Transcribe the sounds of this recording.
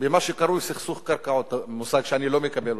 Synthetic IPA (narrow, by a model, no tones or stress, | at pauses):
bemaʃeqɑɾˤusixsuχkaɾˤkaʕot̪musaɡʃanilomekabel